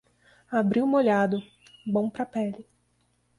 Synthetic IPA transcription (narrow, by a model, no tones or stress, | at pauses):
abɾiwmoʎad̪ʊ | bõw̃pɾapɛlɪ